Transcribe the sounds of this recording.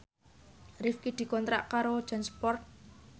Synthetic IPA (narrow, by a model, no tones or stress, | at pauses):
rifkid̪̥i̤kɔnt̪ɾa̰ʔkaɾod̥ʒ̥a̤nspɔrt̪̚